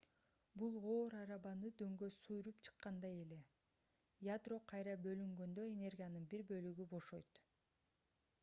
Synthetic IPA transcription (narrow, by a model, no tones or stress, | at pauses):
bulˠo̞ːɾɑɾɑβɑnɯd̪ø̞ŋɡø̞sujɾupt͡ʃʰɯ̥qːɑnd̪ɑje̞le̞ | jad̪ro̞qʰɑjɾɑbø̞lyŋɡø̞nd̪ø̞e̞ne̞rɡʲijanɯnbiɾbø̞lyɡybo̞ʃo̞jt̪